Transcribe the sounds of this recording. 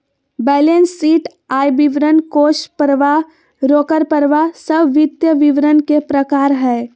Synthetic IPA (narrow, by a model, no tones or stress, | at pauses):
bɛːlensːiːʈ | aːjbɪʋɾənkoːʃpəɾʋa | ɾoːkəɾpəɾʋasəbʋɪt̪jəʋɪʋɾənkepɾəkaːɾɦɛː